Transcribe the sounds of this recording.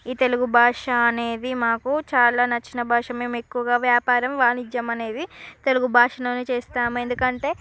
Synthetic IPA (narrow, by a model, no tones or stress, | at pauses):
iːt̪e̞luɡubʱaːʂɐɐne̞ːd̪imaːkut͡ʃaːlaːnɐt͡ʃːinɐbʱaːʂɐme̞ːme̞kːuʋɐɡaːʋjaːpaːɾɐmʋaːnid͡ʒɐmɐne̞ːd̪it̪e̞luɡubʱaːʂɐnoːnit͡ʃeːst̪aːmue̞nd̪ukɐɳʈe̞ː